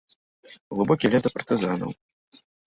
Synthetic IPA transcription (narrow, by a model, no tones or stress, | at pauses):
ɣlˠɨbɔkʲilʲɛzd̪ɐpɐrt̪ɨzanɐ̰w